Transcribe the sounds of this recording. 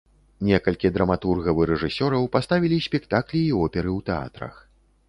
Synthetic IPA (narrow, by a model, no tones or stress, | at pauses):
nʲɛkɐlʲkʲid̪ɾɐmat̪urɣɐvɨɾɛʐɨsʲɔɾɐwpast̪avʲilʲisʲpʲɛkt̪aklʲiːɔpʲɛɾɨwt̪ɛa̰t̪ɾɐ̰x